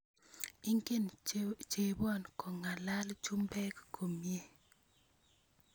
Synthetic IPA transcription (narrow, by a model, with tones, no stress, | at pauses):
i˦ŋke˦˨nt͡ʃe˨bɔ˦nkɔ˨ŋa˨la˦lt͡ʃu˦mbɛ˦kːo˨mje˦